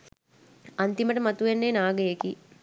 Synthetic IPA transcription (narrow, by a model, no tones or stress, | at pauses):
ant̪iməʈəmat̪uʋenːeːnaːɡəjeki